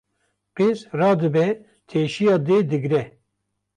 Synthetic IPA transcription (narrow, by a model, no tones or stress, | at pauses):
qeːzrɑːd̪ɨbɛ | t̪ʰeːʃijɑːd̪eːd̪ɨɡɾɛ